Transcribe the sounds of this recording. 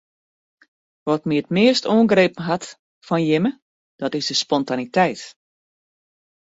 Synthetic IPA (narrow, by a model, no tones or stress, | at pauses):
ʋɔtmiətmɪəstuəŋɡreːpən̩ɦat | fɔnjɪmə | d̥ɔtɪzdəspɔntanitɛjt